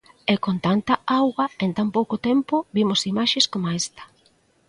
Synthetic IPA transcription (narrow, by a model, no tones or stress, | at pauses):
ɛkont̪ant̪ɐawɣɐent̪ampowkot̪ɛmpʊbimʊsimaʃeskomaest̪ɐ̥